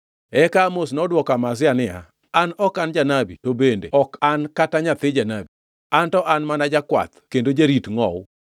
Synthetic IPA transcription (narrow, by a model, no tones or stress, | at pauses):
ɛkamosnɔdwɔkamas̬ɪanɪa̰ | anɔkand͡ʒanabitobendḛɔkankataɲat̪ɪd͡ʒanabi | antɔʔanmanad͡ʒakwa̰t̪kendod͡ʒaɾitŋɔ̰w